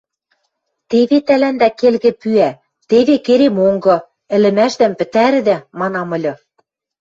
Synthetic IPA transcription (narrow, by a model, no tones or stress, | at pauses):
t̪eβet̪ælænd̪ækelɣɘ̆pyæ | t̪eβekeɾemoŋɡɤ̆ | ɘ̆lɘ̆mæʃd̪æ̆mpɘ̆t̪æɾɘ̆d̪æmɑnɑmɤ̆lʲɤ̆